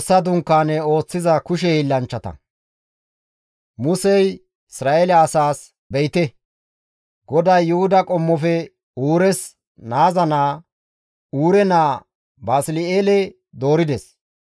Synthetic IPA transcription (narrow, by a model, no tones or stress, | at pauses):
sːɐd̪ʊŋkːaːnɛo̞ːt͡sːɪzɐkʊʃ̬ɛilːɐnt͡ʃːɐt̪ɐ̰ | mʊsɛj | ɪsɾaːʔelɛɐsaːs | bɛjt̪ɛ | ɡɔd̪ɐjːʊhʊd̪ɐkʼɔmːɔfɛ | uːɾɛs | naːzɐnaː | uːɾɛnaː | baːslɪeːlɛ | d̪o̞ːɾɪd̪ɛs